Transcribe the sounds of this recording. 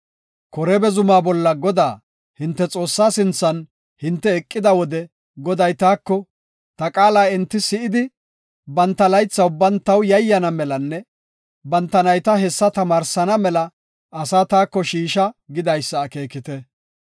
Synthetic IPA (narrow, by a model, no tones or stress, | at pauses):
kɔɾɛbɛzʊmaːbɔlːɐɡɔd̪aː | hɪnt̪ːɛt͡sʼo̞ːsːaːsɪnt͡sːɐn | hɪnt̪ːɛːkʼːɪd̪ɐwɔd̪ɛ | ɡɔd̪ɐjt̪aːkːɔ | t̪ɐkʼaːlaːɪnt̪ːɪsɪʔɪd̪ɪ | bɐnt̪ːɐlɐjt͡sːɐwbɐnt̪ːɐwjɐjːɐnɐmɛlɐnːɛ | bɐnt̪ːɐnɐjt̪ɐɦɛsːɐt̪ɐmaːɾsɐnɐmɛlɐ | ʔɐsaːt̪aːkːɔʃiːʃɐɡɪd̪ɐjsːɐːke̞ːkɪt̪ɛ